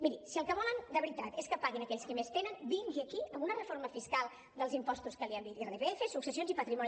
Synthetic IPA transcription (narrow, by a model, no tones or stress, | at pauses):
miɾisiəlˠkəβɔlənd̪əβɾit̪at̪eskəpaɣinəkɛʎskimest̪enənbiŋʒiəkiəmunərəfoɾməfiskalˠ | d̪əlˠzimpɔst̪uskəliəmb̪it̪ireβeefesuksəsionzipət̪ɾimɔni